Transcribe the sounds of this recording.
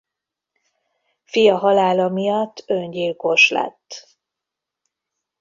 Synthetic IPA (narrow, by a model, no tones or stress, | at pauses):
fijɒɦɒlaːlɒmijɒt̪ːøɲɟilko̞ʃlɛ̰t̪ː